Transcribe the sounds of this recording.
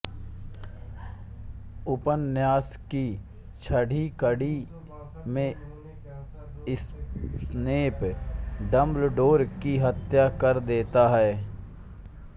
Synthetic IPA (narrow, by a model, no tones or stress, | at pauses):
ʊpənːjaːski | t͡ʃʰəɽʱikəɽi | mẽ | ɪssneːpɖəmblɖoːɾkiɦət̪jakəɾd̪eːt̪aɦɛː